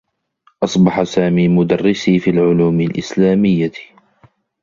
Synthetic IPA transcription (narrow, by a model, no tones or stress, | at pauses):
ʔɑsˤbɑħasaːmiːmʊd̪ɑrːɪsiːfiːlʕʊluːmɪlʔɪ̰slaːmɪjːa